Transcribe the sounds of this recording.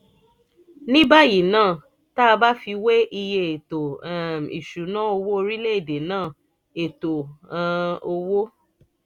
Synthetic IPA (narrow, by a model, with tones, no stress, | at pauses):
nĩ˦ba˦˨ji˨nãː˦˨ | ta˦˧ba˦fi˧we˦ʔi˧je˧e˨to˨ḭ˨ʃu˨˦nã˦o˧wo˦o˧ɾi˦le˦e˦˨de˨nãː˦˨ | e˨to˨ã˧o˧wo˦